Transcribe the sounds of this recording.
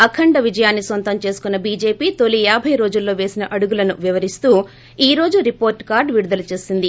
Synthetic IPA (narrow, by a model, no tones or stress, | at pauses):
ɐkʰːɐɳɖɐʋid͡ʒɐjaːnːisʋɐnt̪ɐmt͡ʃe̞ːsu̥kunːɐbiːd͡ʒe̞ːpiːt̪olːijaːbʱɐjɾo̞ːd͡ʒulːo̞ːʋe̞ːsinɐʔɐɽuɡulɐnuʋiʋɐɾist̪uː | iːɾo̞ːd͡ʒuɾipo̞ːɾʈkaːɾɖʋiɽud̪ɐlɐt͡ʃe̞ːsind̪i